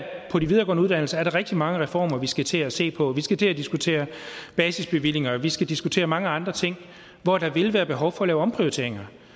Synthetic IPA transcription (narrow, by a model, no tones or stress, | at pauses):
pʰɒ̽ɾiʋið̞ˠɐːɡɒ̰ːnəuð̞ˠd̥ænl̩səæɐɾɑ̈ʁɛɡ̥̚d̥imɑ̈ŋəʁɛfɒ̰ːmɐʋisɡ̥æt͡sʰe̝æse̝̰ːpʰɒ̽ʋisɡ̥æt͡sʰe̝æd̥isɡ̥ut͡sʰe̝̰ːɐb̥ɛːsisb̥e̝ʋil̰e̝ŋɐʋisɡ̥æd̥isɡ̥ut͡sʰe̝̰ːɐmɑ̈ŋəɑ̈nd̥ʁɐt͡sʰe̝ŋ̰ | ʋɒd̥ɑ̈ʋe̝lʋæːɐb̥e̝ɦɒʊfɒ̽lɛːʊɒ̽mpʰʁioit͡sʰe̝ɐ̰eŋɐ